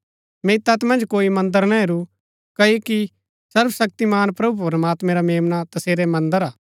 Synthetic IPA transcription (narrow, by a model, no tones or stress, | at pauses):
mɛɪt̪ːɐt̪mɐ̃nd͡ʒkoːimɐ̃nd̪əɾnaɦeɾu | kɐoki | sɐɾbsɐk̚t̪imaːnpɾɐbʱupɾɐmaːt̪mɛ̃ɾameːmnat̪ɐseːɾɛmɐ̃nd̪əɾaː